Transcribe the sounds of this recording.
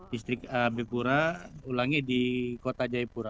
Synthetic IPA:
dist̪ɾɪkabepuɾaulaŋɛdikot̪ad͡ʒaipuɾa

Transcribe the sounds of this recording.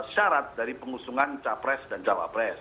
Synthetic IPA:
ʃaɾat̪̚daɾipəŋusuŋant͡ʃapɾɛsdant͡ʃawa̰pɾɛs

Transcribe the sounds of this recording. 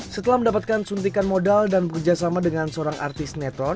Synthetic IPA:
sət̪əlahməndapat̪̚kansunt̪̬ikanmodaldanbəkərd͡ʒasamadəŋansəoɾaŋʔa̰rt̪ɪst̪nɛt̪ɔn

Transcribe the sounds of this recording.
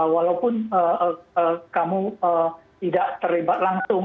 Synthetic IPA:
walawpʊnəəəkamuət̪idaʔt̪ərlibat̪̚laŋsʊŋ

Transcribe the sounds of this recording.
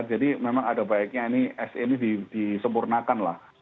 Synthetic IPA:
rd͡ʒadimemaŋadabaɪk̚ɲainiɛsenidid̥isəmpurnakanla̰h

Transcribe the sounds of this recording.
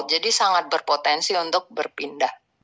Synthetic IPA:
d͡ʒadisaŋat̪̚bərpot̪ɛnsiunt̪ʊk̚bərpindah

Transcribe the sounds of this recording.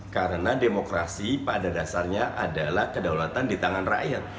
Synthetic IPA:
kaɾənademokɾasipadadasarɲaʔadalahkədawlat̪andit̪aŋanra̰jat̪̚

